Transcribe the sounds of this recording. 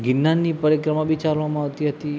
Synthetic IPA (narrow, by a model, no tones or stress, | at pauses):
ɡɪnːanːipəɾjəkɾəmaʋit͡ʃaɾʋamãːʋt̪iɦət̪i